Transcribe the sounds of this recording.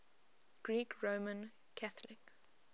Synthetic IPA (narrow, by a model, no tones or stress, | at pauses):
ɡ̥ɹiːkʰɹomə̃n | kʰaθlɪk